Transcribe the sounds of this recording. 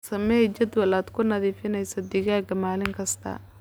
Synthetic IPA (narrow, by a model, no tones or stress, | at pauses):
sɐmɛt͡ʃɐd̪wɐlaːd̪kʰʊnɐðiːfɪnɛjsɐd̪ɪɣaːɡɐmaːlɪŋkʰɐst̪ʰɐ̰